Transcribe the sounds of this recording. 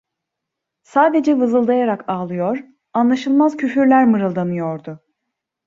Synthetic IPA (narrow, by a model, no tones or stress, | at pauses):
saːd̪e̞d͡ʒɛvɯzɯlˠd̪ajaɾakaːlˠɯjoɾ | anlˠaʃɯlˠmazcʰyfyɾlʲæɾmɯɾɯlˠd̪anɯjo̞ɾd̪ʊ